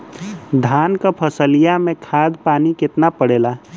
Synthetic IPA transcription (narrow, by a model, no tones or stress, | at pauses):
d̪ʱaːnkapʰəsəlijamẽkʰaːd̪paːnikɪt̪napəɽeːla